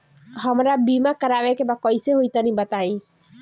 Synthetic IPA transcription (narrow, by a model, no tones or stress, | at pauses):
ɦəmɾabimakəɾawekebakɔjseɦojt̪anĩbət̪aĩ